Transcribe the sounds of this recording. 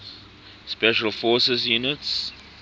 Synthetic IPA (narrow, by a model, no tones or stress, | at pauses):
spɛʃəlfɔːsəsjunɪts